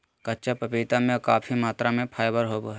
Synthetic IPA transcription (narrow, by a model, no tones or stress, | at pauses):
kɐtːt͡ʃapəpiːt̪amẽkaːpʰimaːt̪ɾamẽpʰaːjbəɾɦoːboɦɛ